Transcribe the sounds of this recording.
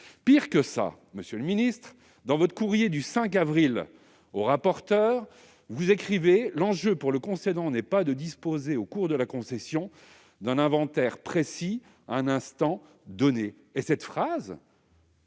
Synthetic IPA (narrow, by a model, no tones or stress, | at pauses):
piʁkəsa̰ | məsjøləminist̪χ | d̪ɑ̃vɔt̪χə̥kuʁjed̪ysɛ̃kavʁil | oʁapɔʁt̪œʁ | vuzekχivelɑ̃ʒøpuʁləkɔ̃sed̪ɑ̃nɛpad̪əd̪ispozeokuʁd̪əlakɔ̃sɛsjɔ̃ | d̪ɛ̃nɛ̃vɑ̃t̪ɛʁpχesi | ɛ̃nɛ̃st̪ɑ̃ | d̪ɔneː | sɛt̪fχaz